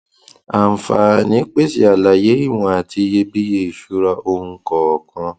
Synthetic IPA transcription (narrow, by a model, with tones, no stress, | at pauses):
a˨fa̰˨nĩ˨˦k͡pe˦si˦˨a˨la˨je˨˦i˦˨w̃ɔ̃˧a˨tʰi˧˦je˧bi˦je˦i˨ʃu˦ɾa˧ʔo˧n̩˦kɔ˨kʰã˧